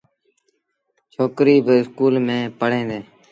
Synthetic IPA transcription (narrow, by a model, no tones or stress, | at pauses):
t͡ʃʰoːkɾiːbɪɪskuːlmẽːpəɽẽːd̪eː